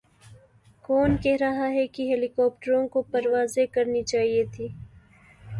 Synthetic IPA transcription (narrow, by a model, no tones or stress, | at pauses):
kɔːnkɛɦɾɐɦaɦɛkiɦeːlɪkɔːp̚ʈəɾõkopɐɾwaːzekɐɾnit͡ʃaːɦiet̪ʰiː